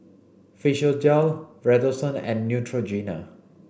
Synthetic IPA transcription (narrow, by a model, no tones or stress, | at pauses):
fiʃəld͡ʒalɹɛdosə̃nɛ̰̃nːjutʰɹod͡ʒina̰